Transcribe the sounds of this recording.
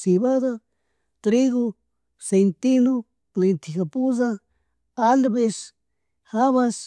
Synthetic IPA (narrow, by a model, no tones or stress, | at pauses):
siβaða | t̪ɾiɣo | sejnt̪ino | lent̪ʰikapuza | alβes | haβas